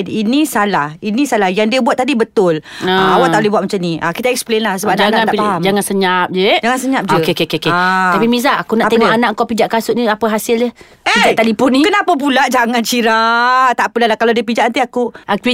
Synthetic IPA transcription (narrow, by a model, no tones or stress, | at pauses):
dinisalahinĩsalahjaŋdiəbuat̪̚ːadibət̪ʊlaawaʔt̪aʔolɛhbuat̪̚mat͡ʃaniʔakit̪aɛk̚splenlahsəbap̚nanaat̪apaɦamd͡ʒaŋansəɲap̚d͡ʒed͡ʒaŋansəɲap̚d͡ʒəkekekeket̪apimizaʔakunaʔat̪eədanaʔŋkapid͡ʒaʔkasʊʔniapəɦasɪldə | epid͡ʒaʔt̪adipʊnikənapap̬ulaʔd͡ʒaŋant͡ʃiɾat̪aʔpəlalakalawdiəpid͡ʒaʔant̪iakua